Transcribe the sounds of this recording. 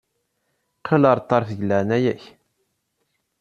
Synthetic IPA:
qʰələɾˤt̪ˤːɑɾˤfəʝəlːæʁnæjæç

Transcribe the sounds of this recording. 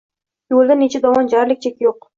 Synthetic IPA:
jolˠd̪anet͡ʃʰad̪ɒwɒnd͡ʒaɾlɪk̚ʲt͡ʃʰekʲjoq

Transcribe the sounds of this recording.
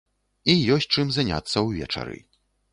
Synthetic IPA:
ijɔs̚ʲt͡ʂɨmzanʲa̰t̪sːɐwvʲɛ̰t͡ʂa̰ɾɨ̰

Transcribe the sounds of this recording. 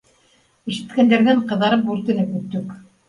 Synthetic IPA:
iʃɘ̆t̪kænd̪æɾðæɴqɤ̆ðːɑɾɤpʉɾt̪ɘ̆lækɵt̪ːɵk

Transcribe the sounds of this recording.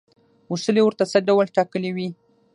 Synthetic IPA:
usəlewəɾt̪asaɖawəlʈɑkəliwi

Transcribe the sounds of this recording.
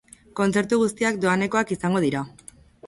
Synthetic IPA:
ko̞nt͡se̞ɾt̪uɣ̞ust̪iak̚d̪o̞ane̞ko̞akisaŋɡo̞ðiɾa

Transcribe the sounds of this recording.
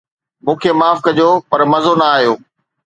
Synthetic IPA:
mũːkʰemaːfkɐd͡ʑoːpɐɾmɐzonɐaːɦijoː

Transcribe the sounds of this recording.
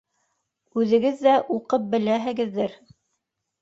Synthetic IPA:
ʉðɘ̆ɡɘðːæʔuqɤp̚bɘ̆læɦɘ̆ɡɘ̆ðːɘɾ

